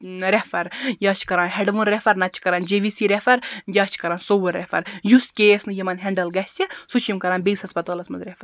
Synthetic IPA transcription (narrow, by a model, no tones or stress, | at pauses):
ɾefɐɾjaːt͡ʃʰkɐɾãːnɦeɖʋunɾefɐɾnɐt͡ʃʰkɐɾaːnd͡ʒeʋisiɾefɐɾjɐːt͡ʃʰkɐɾaːnsoʋɐɾɾefɐ̰ɾjuskʲeːsnɨjimɐnɦeɳɖɐlɡɐsʲɐsut͡ʃʰimkɐɾaːnbeshɐspɐt̪oːlɐsmɐzɾefɐɾ